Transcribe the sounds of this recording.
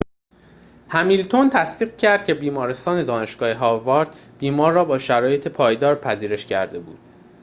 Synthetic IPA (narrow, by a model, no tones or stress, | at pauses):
hæmiːlt̪ʰo̞nt̪ʰæsd̪iːɣcʰæɾd̪̚cʰʲe̞biːmɒːɾe̞st̪ɒːne̞d̪ɒːne̞ʃɡ̥ɒːhe̞ɦɒːvɒːɾd̪ | b̥iːmɒːɾːɒːbɒːʃæɾɒːje̞t̪ʰepʰɒːjd̪ɒːɾpʰæziːɾe̞ʃcʰæ̰ɾd̪e̞bṵːd̪̥̚